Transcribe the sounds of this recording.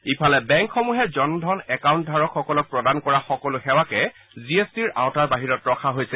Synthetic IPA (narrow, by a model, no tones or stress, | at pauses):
ipʰalɛbɛŋkxɔmuɦɛzɔndʱɔnɛkaw̃nt̚dʱaɹɔkʰxɔkɔlɔk̚pɹɔdankɔɹaxɔkɔlʊxɛwakɛ | ziestiɹʔã̰wtaɹbaɦiɹɔtɹɔkʰaɦojsɛ